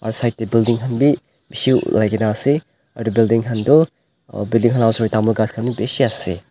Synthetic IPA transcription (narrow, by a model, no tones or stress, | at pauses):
a̰ɾusajt̚debildiŋɦɐnbi | misiṵlajɡenase | ɐ̰ɾdubildiŋɦɐndɔ | bildiŋɦanawsɾojtamɔɡaskʰamnibesiase